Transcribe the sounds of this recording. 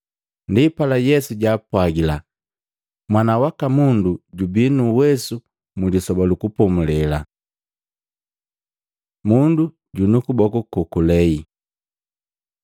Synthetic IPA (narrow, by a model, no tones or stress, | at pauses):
ndipalajɛsuɟaːpwaɡila | mwanawakamunduɟubinuwɛsu | mulisɔbalukupɔmulɛla̰ | mundu | ɟunukubɔkukukulɛi